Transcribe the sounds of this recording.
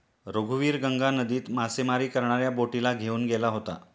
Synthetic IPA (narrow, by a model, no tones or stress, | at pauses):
ɾoɡʱuʋiːɾɡəŋɡanəd̪iːt̪masemaɾiːkəɾɳ̃aɾjaboʈilaɡʱeuːnɡelaɦot̪a̰